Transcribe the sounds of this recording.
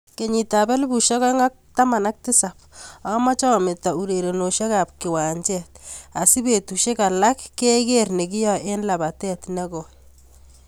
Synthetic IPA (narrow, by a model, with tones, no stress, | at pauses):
ke˨ɲi˨ta˨bɛ˦lbu˨ʃe˦kɔ˦ŋa˦k̚ta˦ma˨na˦k̚ti˦sa˨p̚a˦ma˦t͡ʃɔ˦mɪ˨ta˨u˨ɾe˨ɾe˨no˨ʃe˦ka˨p̚kɪ˨waː˨ɲt͡ʃɛta˨si˦be˨tuʃe˦ka˨la˦kːe˦ke˦rne˨ki˦jɔ˨ʔe˦nla˨ba˨tɛ˦tnɛ˦kɔ˨